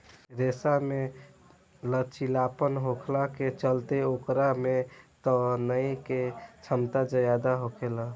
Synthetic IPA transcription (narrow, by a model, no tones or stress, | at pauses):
ɾesame | lət͡ʃʰilapənɦokʰlaket͡ʃəlt̪eokɾamet̪ɔnəjket͡ʃʰəmt̪ad͡ʒəjad̪aɦokʰela